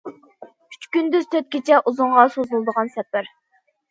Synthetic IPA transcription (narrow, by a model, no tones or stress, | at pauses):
kʰy̥t͡ʃkʲynd̪yzt̪ʰøt̪̚kʲit͡ʃʰɛʔuzʊɴʁɑsozulˠd̪əʁɑnsɛpːæɾ